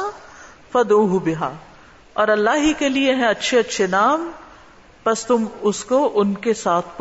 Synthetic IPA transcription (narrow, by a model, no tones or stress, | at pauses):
fɐd̪uːɦʊbɪɦaː | ɔːɾɐlːaːɦikelieɦɛ̃ɐtːʃʰeɐtːʃʰenaːm | pɐst̪ʊmʊskoʔʊnkesaːt̪ʰp